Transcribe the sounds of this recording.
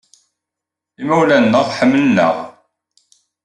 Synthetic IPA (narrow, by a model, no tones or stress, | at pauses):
imæwlænːəʁħəmːlənːə̰ʁ